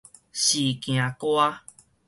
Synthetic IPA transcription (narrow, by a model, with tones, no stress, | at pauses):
ɕiː˨kĩ˨ã˨ko˦a˦